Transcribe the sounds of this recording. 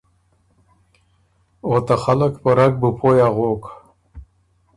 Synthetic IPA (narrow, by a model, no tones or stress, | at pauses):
ot̪aχaləkpəɾak̚bəpʰojaʁok